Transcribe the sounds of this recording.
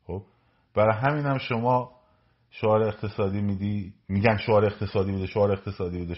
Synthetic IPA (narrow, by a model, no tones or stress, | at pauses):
xob̥ | b̥æɾɒjɦæmiːnæmʃomɒː | ʃoɒːɾeːqt̪ʰe̞sɒːd̪iːmiːd̪iːmiːɟænʃoɒːɾeeqt̪ʰe̞sɒːd̪iːbuːd̪eʃoɒːɾeeqt̪ʰe̞sɒːd̪ibud̪e